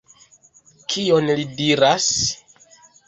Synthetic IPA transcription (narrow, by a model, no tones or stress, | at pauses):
kʰio̞nlidiɾas